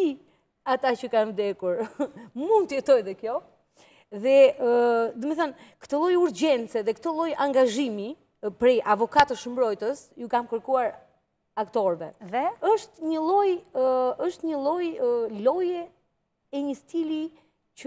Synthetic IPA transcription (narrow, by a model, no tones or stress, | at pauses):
i | at̪acəkanvd̪ɛkuɾmund̪t̪əjɛt̪ɔjðɛkjɔ | ðɛəd̪ɔmɛθankə̥t̪ɔlˠɔjuɾd͡ʑɛnt͡sɛðɛkt̪ɔlˠɔjaŋɡaʒimi | pɾɛʔavɔkat̪əʃəmbɾɔjt̪əsjukamkəɾkuaɾ | akt̪ɔɾvɛðɛəʃt̪ɲəlˠɔjəʃt̪ɲəlˠɔjlɔjɛ | ɛɲəst̪ili | cə